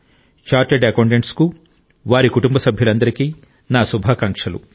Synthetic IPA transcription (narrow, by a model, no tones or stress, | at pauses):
t͡ʃaːɾʈeɖɐkoːɳɖeɳʈsku | ʋaːɾikuʈumbɐsɐbʱjɐlɐnd̪ɐɾikiː | naːsubʱaːkaŋkʂɐlṵ